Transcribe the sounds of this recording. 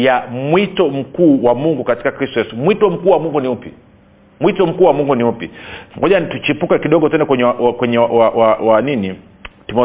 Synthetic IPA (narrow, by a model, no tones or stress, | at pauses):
jamwitɔm̩kuːwamuŋɡukati̥kakɾistɔjɛsumwitɔm̩kuːwamuŋɡuniupḭ | mwitɔm̩kuːwamuŋɡuniupiŋɡɔʄatut͡ʃipukɛkiɗɔɡɔtɛnɛkwɛɲakwɛɲɛawawawanini | timɔ